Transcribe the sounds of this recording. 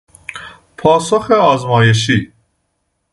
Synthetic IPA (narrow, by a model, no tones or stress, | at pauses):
pʰɒːsoxeɒːzmɒːjeʃ̬i